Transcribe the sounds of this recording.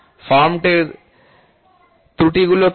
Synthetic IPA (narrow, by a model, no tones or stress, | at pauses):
faɾmʈeɾ | t̪ɾuʈiɡulot